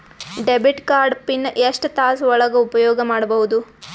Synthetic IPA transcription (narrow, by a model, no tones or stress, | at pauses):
ɖebiʈkaːɾɖpinːeʂʈt̪aːsɔɭɐɡɐupɐjɔːɡɐmaːɽɐbɐɦud̪u